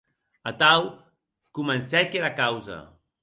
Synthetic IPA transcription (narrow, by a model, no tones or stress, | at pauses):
at̪aw | kumənsɛkeɾakawzə̰